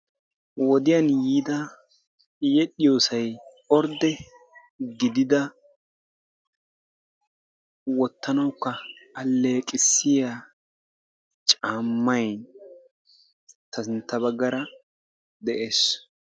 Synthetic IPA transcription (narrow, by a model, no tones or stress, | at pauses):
wɔd̪ɪjɐnjiːd̪ɐ | jɛɗɪjoːsɐj | ɔɾd̪ɛ | ɡɪd̪ɪd̪ɐ | wɔt̪ːɐnɐwkːɐːlːe̞ːkʼɪsːɪja | t͡ʃʼaːmːɐjn | t̪ɐsɪnt̪ːɐβɐɡːɐɾɐ | d̪ɛʔeːs